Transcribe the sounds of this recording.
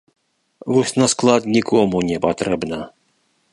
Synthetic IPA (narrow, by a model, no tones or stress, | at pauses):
vɔsʲnasklˠat̪nʲikʰɔmunʲɛpat̪ɾɛbnɐ